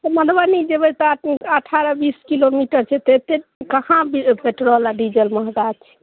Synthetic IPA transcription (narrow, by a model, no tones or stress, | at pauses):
t̪ɔməd̪banid͡ʒebət̪ɔəʈʰaɾəbiskilomiʈəɾt͡ʃʰɛt̪et̪ekəhãbipeʈɾəɦlaɖid͡ʒəlməɦɡat͡ʃʰɛ̥